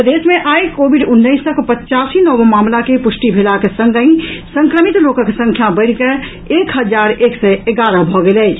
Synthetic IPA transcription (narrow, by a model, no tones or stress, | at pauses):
d̪esmeʔajkobiɖunːəɪsːəkpətːt͡ʃasinɔbmamlakepusʈibʱelakesə̃ŋɡəĩsəŋkɾəmit̪lokəksə̃ŋkʰjabəɪɽke | ekɦəd͡ʒaɾeksɛeɡaɾəbʱɔɡelɛ